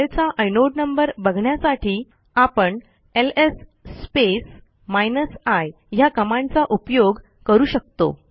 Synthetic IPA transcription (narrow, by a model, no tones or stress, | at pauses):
ɭt͡saʔəjnoʈnəmbəɾbəɡʱɳjasaʈʰiː | apəɳ | elesːpes | majnəsaj | ɦjakəmãnt͡saʔupjoɡ | kəɾuːɕək̚t̪o̰